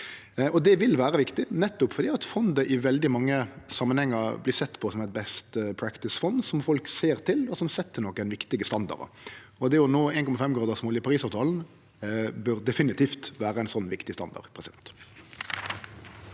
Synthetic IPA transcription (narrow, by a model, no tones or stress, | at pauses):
ɔd̪ɛʋɪlʋæːɾəʋɪkt̪ɪnɛt̪ːʊpfɔɾd̪iːɑt̪fɔnd̪əʔɪʋɛld̪ɪmɑŋːəsɑmːənhɛŋːəɾbliːsɛt̪ːpʰɔsɔmæɪt̪̚bɛst̪pʰɾækt̪ɪsfɔnd̪sɔmfɔlkseːʁt̪ʰɪlɔsɔmsɛt̪ːənɔkːæɪnʋɪkt̪ɪɡəst̪ɑnd̪ɑ̰ɾə̰ | ɔd̪ɛjʊnoːeɪnkʰɔmɑfɛmɡɾɑːd̪əʁsmoːlɪpʰɑɾʁiːsɑːʋt̪ʰɑːln̩ | bʉɾd̪ɛfɪnɪt̪ʰiːft̪ʋæːɾəæɪnsɔnːʋɪkt̪ɪst̪ɑ̰nd̪ɑ̰ʁpʰɾɛsɪd̪ɛnt̪